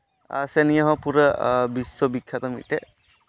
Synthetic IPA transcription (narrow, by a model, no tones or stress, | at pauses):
a̰sɛnijaɦɔ̃puɾəbiswɔbikʰːjat̪ɔmḭʈɛ